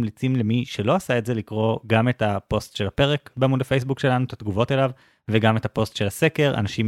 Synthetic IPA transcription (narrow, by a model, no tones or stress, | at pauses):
mlit͡simlemiʃe̞lo̞asaetze̞likʁo̞ɡame̞tapo̞stʃe̞lape̞ʁe̞kbeamudafejs̬bukʃe̞lanuetatɡuvo̞telav | veɡame̞tapo̞stʃelase̞ke̞ʁa̰naʃim